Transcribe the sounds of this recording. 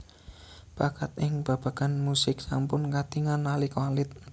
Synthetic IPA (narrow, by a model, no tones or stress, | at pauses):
b̥akat̪̚ɪŋb̥a̤b̥a̤ɡ̥a̤nmusɪk̚sampʊnkat̪iŋanːalikwalɪt̪̚